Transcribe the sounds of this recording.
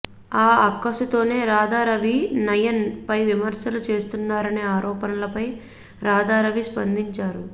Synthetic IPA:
aːɐkːɐsut̪o̞ːne̞ːɾaːd̪aːɾɐʋinɐjɐnpɐjʋimɐɾsɐlut͡ʃe̞ːst̪unːaːɾɐneːaːɾɔːpɐnɐlɐpɐj | ɾaːd̪aːɾɐʋispɐnd̪iɲt͡ʃaːɾu

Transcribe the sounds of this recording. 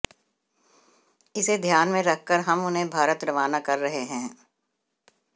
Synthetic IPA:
ɪsed̪ʱjaːnmẽɾɐkʰkəɾɦɐmʊnɦẽbʱaːɾət̪ɾɐʋaːnakɐɾːɐɦeɦɛ̃ː

